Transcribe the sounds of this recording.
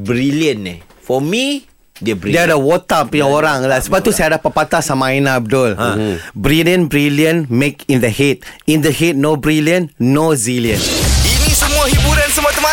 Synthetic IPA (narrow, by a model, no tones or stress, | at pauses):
bɾiliə̃nɛ | fɔmi | dəɾidiadəwɔt̪apujãoɾãŋlasəbap̚t̪ːusajadapəpat̪asamainaab̚dʊlãbɾiliə̃nbɾiliə̃nmekĩndəhet̪̚ĩndəhet̪̚nobɾiliə̃nːoziljə̃ninisəmũahibuɾãnsəmuat̪əmã